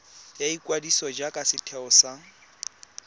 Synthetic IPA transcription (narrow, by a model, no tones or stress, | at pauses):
jaikʼwadisɔd͡ʒakʼasɪtʰɛɔsa